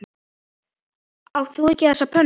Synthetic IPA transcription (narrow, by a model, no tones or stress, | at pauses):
awθuɪcɪθɛsːapʰœn